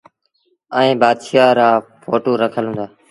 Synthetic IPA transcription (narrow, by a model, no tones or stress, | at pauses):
əẽːbaːd̪ʃaːɾaːpoːʈoːɾəkʰəlɦũːnd̪aː